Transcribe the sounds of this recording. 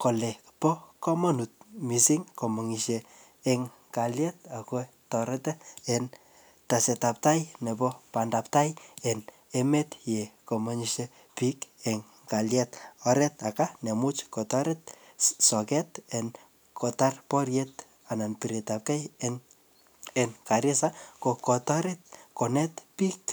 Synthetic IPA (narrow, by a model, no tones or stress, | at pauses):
kolɛ | pɔkɔmɔnut̚misiŋkomɔŋiʃeː | ŋ | kaljɛt̚ako | tɔɾɛtɛen | tasɛtap̚tajnebɔpandaptajen | emetjekomɔɲiʃe | pikeŋ | kaljɛtɔɾɛtakanemut͡ʃkɔtaɾɛt̚sɔkɛtɛn | kɔtarpɔrjɛt | ananpiɾetap̚kaj | enkaɾɪsakokɔtaɾet̚konɛtpik